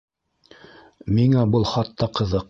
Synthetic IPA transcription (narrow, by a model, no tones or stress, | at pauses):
miŋæbɤlˠχɑt̪ːɑqɤ̆ðɤq̚